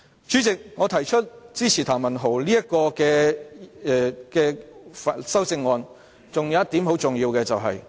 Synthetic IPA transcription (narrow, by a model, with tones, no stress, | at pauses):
t͡ʃyː˨˥t͡sɪ˨k̚ŋɔː˨˧t̪ʰɐ˨˩jt͡ʃʰɵ˥t̚t͡siː˥t͡sʰiː˨˩t̪ʰaː˨˩mɐ˨˩nɦo˨˩wliː˥jɐ˥t̚kɔː˧kɛː˧ | ɛ˧kɛː˧faː˨sɐ˥wt͡sɪ˧ŋːɔː˨˧n | t͡sʊ˨ŋjɐ˨wɐ˥t̪iː˨˥mɦo˨˥wt͡sʊ˨ŋjiː˧wkɛː˧t͡sɐ˨wɦɐ̰˨˩j